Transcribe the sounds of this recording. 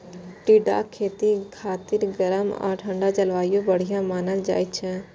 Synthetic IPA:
ʈiɖa̰kʰeːt̪ikʰaːt̪ɪɾɡəɾəma̰ːʈʰə̃ɳɖat͡ʃɐlʋaːjõbəɽ̤ijãmaːnəld͡ʒa̰ːit͡ʃʰɛ̃

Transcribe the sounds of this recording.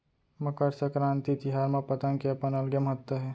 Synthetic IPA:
mɐkəɾsɐkɾãːnt̪it̪ɪɦaːɾmẽpɐt̪ə̃nkeɐpənɐlɡəmɐɦət̪wəɦɛː

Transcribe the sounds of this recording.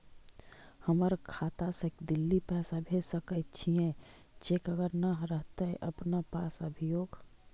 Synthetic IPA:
həməɾkʰaːt̪asekd̪ɪlːipɛːsabʱesəkət͡ʃʰiẽ | d͡ʒeːkəɡəɾnəɦɾəɦt̪eʔəpnapaːsəbʱijoːɡ

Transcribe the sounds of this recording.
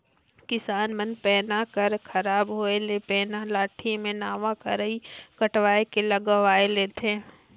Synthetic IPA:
kɪsaːnmə̃npɛːnakɐɾkʰɐɾaːbɦoːelepɛːnalaːʈʰimẽnaːʋakɐɾəikɐʈʋaːekelɐɡəʋaːeleːt̪ʰẽ

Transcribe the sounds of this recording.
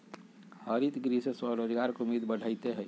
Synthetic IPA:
həɾit̪ɡɾiseswəɾoːd͡ʒɡaːɾkʊmiːd̪bəɽ̤ʱaːit̪eɦɛː

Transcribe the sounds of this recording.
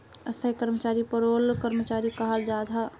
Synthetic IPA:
əst̪ʰəikəɾmət͡ʃaːɾipəɾolkəɾmət͡ʃaːɾikəɦəld͡ʒad͡ʒʱɦa

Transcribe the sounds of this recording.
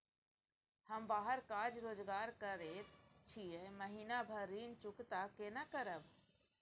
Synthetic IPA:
həmbaːɦəɾkaːd͡ʒɾoːd͡ʒɡaːɾkəɾeːt̪t͡ʃʰieməɦiːnabʱəɾiːnt͡ʃʊkt̪akenakəɾəb

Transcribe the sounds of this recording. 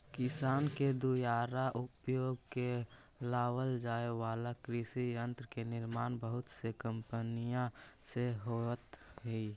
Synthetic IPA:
kɪsaːnked̪ujaːɾaʔʊpjoːɡke | laːwəld͡ʒaːeʋaːlakɾɪsijə̃nt̪ɾəkenɪɾmaːnbəɦʊt̪sekəmpənijãseɦot̪ɦɛi

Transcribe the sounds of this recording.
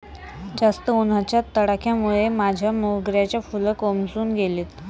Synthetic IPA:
d͡zast̪əunat͡ɕjat̪ːəɽakʰjamuɭemad͡ʑʱjamoɦɡɾjat͡ɕjafuləkomd͡zuːnɡʱeliːt̪

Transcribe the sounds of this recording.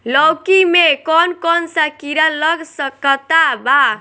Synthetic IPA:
lɔwkimekɔnkɔnsakiɾaləɡsəkət̪aba

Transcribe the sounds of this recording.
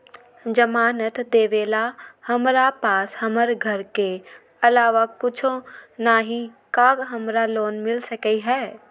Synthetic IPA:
d͡ʒəmaːnət̪d̪eːʋeːlahɐmɾapaːshɐməɾɡʱɐɾke | ɐlaːʋakʊt͡ʃʰõnaːɦĩ | kaːɡɦɐmɾaloːnmɪlsəkəiɦɛː

